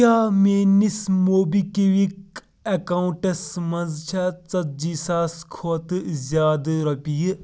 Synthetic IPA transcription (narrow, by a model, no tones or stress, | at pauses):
aːmeːnismoːbikeʋik̚ | ekaːuɳʈɐsmɐ̃nzt͡ʃʰat͡sɐt̪̚d͡ʒiːsaːskʰoːt̪zʲjaːd̪ɾɐpiː